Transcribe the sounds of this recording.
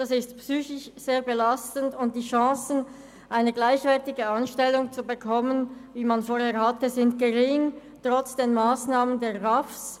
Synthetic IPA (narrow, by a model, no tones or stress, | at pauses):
d̥asɪstpsyːçɪʃz̥eːɐbəlastən̩dʊnt̚d̥iːʃɑ̃ːsn̩ | ʔaɪnəɡlaɪçv̥ɛɐtɪɡəanʃtɛlːʊŋt͡subəkʰɔmənviːmanfoːheːɐhatəzɪnt̚ɡ̥əʁɪŋ | tʁ̥ɔt͡sd̥eːnmaːsnaːməndeːʁafs